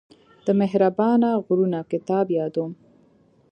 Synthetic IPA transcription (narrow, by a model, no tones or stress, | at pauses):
d̪̥əmeɦɾabɑnaɣɾunakɪt̪ɑbjɑd̪um